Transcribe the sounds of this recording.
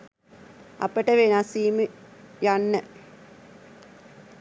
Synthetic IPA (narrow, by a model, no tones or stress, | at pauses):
a̰pəʈəʋenasiːməjanːə